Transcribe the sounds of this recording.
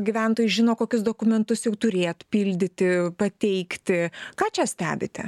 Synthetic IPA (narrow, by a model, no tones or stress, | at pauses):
ɡʲiːʋʲɛˑnt̪oːjʊʒʲɪnoːkoːkʲʊsd̪oːkʊmʲɛnt̪ʊsjɛʊt̪ʊɾʲeːt̪pʲiːlʲd̪ʲɪt̪ʲɪpɐt̪ʲɛɪkt̪ʲɪkɑːt͡ʃʲɛsʲt̪ʲæːbʲɪt̪ʲɛ̰